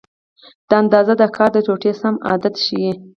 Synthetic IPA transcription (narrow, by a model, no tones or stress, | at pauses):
d̪̥əand̪ɑzad̪əkʰɑɾd̪ət͡ʃoʈesamɑ̰d̪at̪ʃiwi